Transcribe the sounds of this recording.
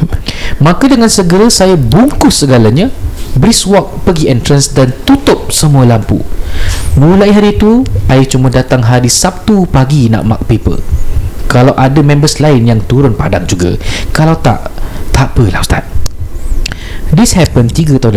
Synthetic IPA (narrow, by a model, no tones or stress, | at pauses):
mãkadəŋansəɡəɾasajabuŋkʊssəɡalaɲãbɾiswɔk̚pəɡiɛnt̪ɾənsdant̪ut̪ʊp̚səmualampṵ | mũlaiɦaɾiːt̪uʔajat͡ʃumadat̪aŋɦaɾisap̚t̪upaɡina̰ʔma̰k̚pepə̰lkalawʔadamɛ̃mbəslaɪnjaŋt̪uɾʊnpadaŋd͡ʒuɡa̰kalawt̪a̰ʔt̪apəla̰st̪a̰t̪̚ | dishɛpənt̪iɡət̪ada